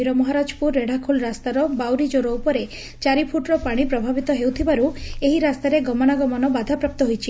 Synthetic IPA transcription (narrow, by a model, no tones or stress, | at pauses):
iɾɔmɔɦaɾad͡ʒɔpuɾːeɽakʰulɾast̪aɾɔbawɾid͡ʒoɾɔupɔɾe | t͡ʃaɾipʰuʈɾɔpaɽ̃ipɾɔbʱabit̪ɔɦewt̪ʰibaɾueɦiɾast̪aɾeɡɔmɔɽ̃aɡɔmɔnɔbad̪ʱapɾap̚t̪ɔɦojt͡ʃʰi